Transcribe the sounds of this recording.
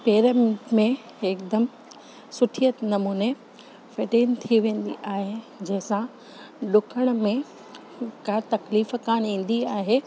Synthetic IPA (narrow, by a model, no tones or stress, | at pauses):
peːɾəmmẽ | ekd̪əm | sʊʈʰijət̪nɐmuːne | feʈeːnt̪ʰiʋẽːn̆d̪ḭʔaːɦe | d͡ʑɐɦɪ̃sã | ɗʊkʰəɽ̃ə̆mẽ | kaːt̪ɐkliːfkaːñĩːn̆d̪iaːɦeː